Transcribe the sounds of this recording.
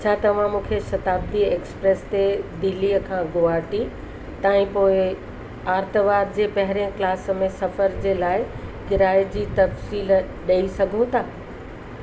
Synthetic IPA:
t͡ɕʰaːt̪ɐʋ̤ãmũːkʰeʃɐt̪aːb̚d̪ieːkspɾeːst̪ed̪ɪlːiəkʰãɡoaːʈi | t̪aːɪ̃poːɪ | aːɾt̪əʋaːɾd͡ʑeːpɐɦɪɾeə̃klaːsmẽsɐfəɾd͡ʑeːlaːɪ | kɪɾaːɪd͡ʑiːt̪ɐfsiːl | ɗɐisɐɡʱũt̪ʰaː

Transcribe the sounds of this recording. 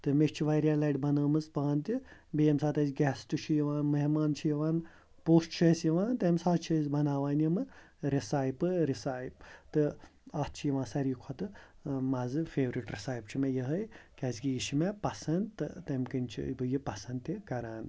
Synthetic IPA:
t̪ɨmeʃt͡ʃʰiʋajɾialaːjʈbɐnəːmɨspaːnt̪ʲibeemsaːt̪ɐzʲɡʲɛːst̪ut͡ʃʰijiʋãːnmɐɦimaːnt͡ʃʰijiʋaːn | poːsʈt͡ʃʰɐsjiʋãːnt̪emsaːt̪t͡ʃʰizbɐnaːʋaːnjimɨ | ɾisaːjpɨɾisaːjp̚t̪ɨaːt̪t͡ʃʰijiʋãːnsɐɾiːkʰot̪ɨ | mɐzɨfeːʋɾiʈɾisaːjbt͡ʃʰimejəɦəjkʲɛsɡiiʃimepɐsɐnd̪t̪ːɨ̰t̪ɐmkɨnʲt͡ʃʰḭbɨjipɐsɐnd̪t̪ikɐɾaːn

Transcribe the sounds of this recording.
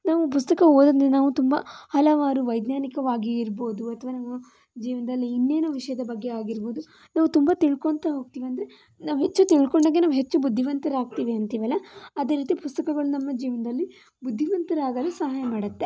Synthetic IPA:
naːʋup̬ust̪ɐkɐoːd̪ɐnd̪enaːʋut̪umbɐ̰hɐlɐʋaːɾuʋɐjd̪naːnikɐʋaːɡiːɾboːd̪uɐt̪ʰɐʋaːnɐmːɐ | d͡ʒiːʋɐnɐd̪ɐlːiːnːeːnuʋiʂɐjɐd̪ɐbɐɡːeaːɡiɾbo̞ːd̪u | naːʋut̪umbat̪iɭkont̪ɐɦo̞ːɡ̚t̪iːʋiɐnd̪ɐɾe | naːʋuɦet͡ʃːut̪iɭkoɳɖaːɡːe̞naːʋuɦe̞t͡ʃːubud̪ʱːiʋɐnt̪ɐɾaːɡ̚t̪iːʋiɐnt̪iːʋɐlːɐːd̪e̞ːɾiːt̪ipust̪ɐkɐɡɐɭunɐmːɐd͡ʒiːʋɐnɐd̪ɐlːi | bud̪ʱːiʋɐnt̪ɐɾaːɡɐlɐsɐɦaːjɐmaːɽɐt̪ːe

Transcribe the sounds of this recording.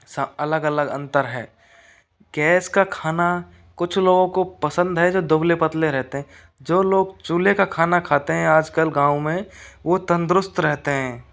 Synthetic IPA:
səɐləɡələɡə̃nt̪əɾɦɛ̰ː | ɡɛːskakʰaːna | kʊt͡ʃʰloːɡõkopəsə̃nd̪ɦɛd͡ʒoːd̪ʊblepət̪leɾɛɦt̪eɦɛ̃ | d͡ʒoːloːɡt͡ʃuːlekakʰaːnakʰaːt̪eɦɛ̃aːd͡ʒkəlɡãːũmẽʋot̪ə̃nd̪ɾʊst̪ɾɛɦt̪eɦɛ̃ː

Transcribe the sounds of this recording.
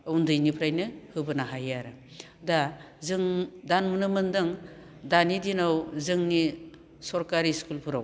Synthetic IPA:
undɯjnipʰɾajnɯhɯbɯnaɦajaɾɯ | da | zɯŋdanmɯnɯmɯndɯŋ | danidinawzɯŋni | sɔɾkaɾiskulpʰɯɾaw

